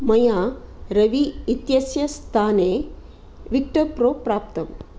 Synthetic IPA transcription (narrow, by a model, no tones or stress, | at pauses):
mɐjaːɾɐʋiːt̪jɐsjɐst̪ʰaːneː | ʋik̚ʈɐpɾoːpɾaːp̚t̪ɐm